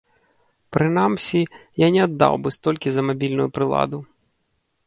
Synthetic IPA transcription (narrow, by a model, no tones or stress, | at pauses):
pɾɪnamsʲijanʲɛɐd̪ːɑ̰wbɨst̪ɔlʲkʲɪzɐmɐbʲilʲnʊjʊpɾɪlˠɑ̰d̪ʊ